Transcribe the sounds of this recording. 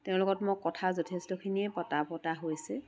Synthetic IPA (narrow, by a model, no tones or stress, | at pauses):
tɛʊ̃lʊkɔtmokːɔtʰazɔtʰestɔkʰinipɔtapɔtaɦojsɛ